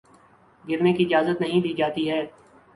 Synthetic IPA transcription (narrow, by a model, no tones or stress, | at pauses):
ɡɪɾmẽkiɪd͡ʒaːzət̪nɐɦĩd̪iːd͡ʒaːt̪iɦɛː